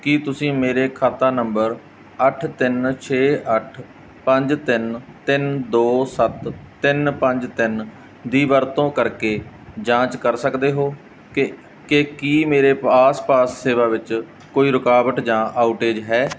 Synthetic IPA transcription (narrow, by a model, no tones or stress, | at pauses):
kit̪ʊsĩːmeːɾeːkʰaːt̪aːnəmbəɾ | əʈʰt̪ɪnt͡ʃʰeːʔəʈʰ | pə̃ɲd͡ʒt̪ɪnt̪ɪnd̪oːsət̪ːɪnpə̃ɲd͡ʒt̪ɪn | d̪iːʋəɾt̪õːkəɾkeː | d͡ʒãːt͡ʃkəɾsəkd̪eːɦoː | kekiːmeːɾeːaːspaːsːeːʋaːʋɪt͡ʃ | koːiːɾʊkaːbəʈ̪d͡ʒãːʔaːʊʈeːd͡ʒɦɛː